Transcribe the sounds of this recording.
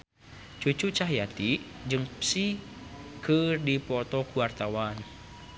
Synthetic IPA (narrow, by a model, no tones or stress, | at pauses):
t͡ʃut͡ʃut͡ʃaɦjat̪id͡ʒɨŋpsi | kɨrdipɔt̪ɔkuwart̪awan